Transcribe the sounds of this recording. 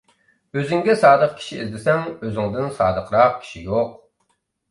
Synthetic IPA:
øzɪŋɡʲɛsɑːd̪əq̚kʲʰi̥ʃḭːzd̪ɪsɛŋøzɪŋd̪ɪnsɑ̰ːd̪əqʰɾɑq̚kʲʰi̥ʃijoq̚

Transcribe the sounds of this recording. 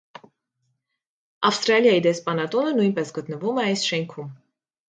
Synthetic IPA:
ɑfst̪ɾɑljɑjid̪ɛspɑnɑt̪ɔnənujnpɛsɡət̪nəvumɛɑjsʃɛŋkʰum

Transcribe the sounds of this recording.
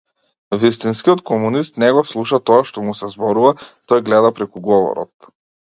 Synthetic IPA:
vist̪inskiɔt̪kɔmunist̪nɛɡɔslˠuʃat̪ɔaʃt̪ɔmusɛzbɔɾuvat̪ɔjɡlɛd̪apɾɛkuɡɔvɔ̰ɾɔ̰t̪̚

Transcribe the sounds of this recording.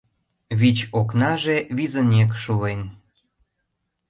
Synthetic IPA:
βit͡ɕoknɑʒeβizənʲek̬ʃuen

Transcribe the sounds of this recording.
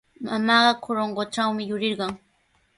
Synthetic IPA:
mamɑːɢɑkʰʊɾoɴɢot͡ʃawmɪjʊɾɪɾɢɑŋ

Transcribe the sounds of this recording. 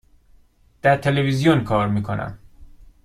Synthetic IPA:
d̪̥æɾt̪ʰe̞levizijonkʰɒːɾmiːkʰo̞nʔæ̰m

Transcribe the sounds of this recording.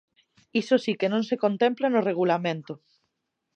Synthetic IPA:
isosikenõnsekont̪ẽmplenoreɣ̞ulamẽnt̪o

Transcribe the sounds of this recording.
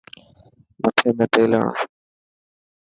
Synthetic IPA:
mət̪ʰeːmẽːt̪eːlã̰ː

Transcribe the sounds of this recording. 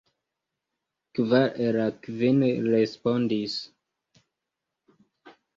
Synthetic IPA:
kvaɾeɾakvinɾespondis

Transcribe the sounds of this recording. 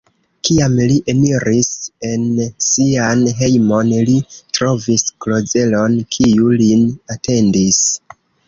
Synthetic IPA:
kiamliʔe̞niɾʔise̞nsianɦe̞jmo̞nlitɾo̞visklo̞ze̞lo̞nkʰiulinate̞ndis

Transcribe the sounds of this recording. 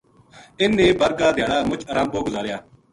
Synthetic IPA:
ɪnːẽːbəɾɡaːd̪ʱjaːɽaːmʊt͡ʃəɾãːmboːɡʊzaːɾejaː

